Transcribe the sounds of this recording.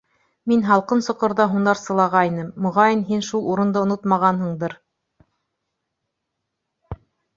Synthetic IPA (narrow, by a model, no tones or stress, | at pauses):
minɦɑlˠqɤnsŏqɤ̆ɾðɑɦund̪ɑɾsɤ̆lˠɑʁɑinɤmːŏʁɑjɤnɦinʃulˠuɾɤ̆nd̪ɤŏnot̪mɑʁɑnɦɤ̆ɴd̪ɤɾ